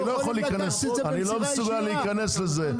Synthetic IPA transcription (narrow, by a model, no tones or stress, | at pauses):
lojaχoliːikanes | anilomesuɡaleikane̞sleze